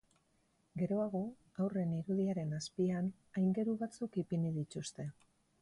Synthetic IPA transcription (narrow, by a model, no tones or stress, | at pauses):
ɡe̞ɾo̞aɣ̞o̞ | awre̞niɾuðiaɾe̞naspian | ajŋɡe̞ɾuβat͡sukipinið̞it̪ust̪e̞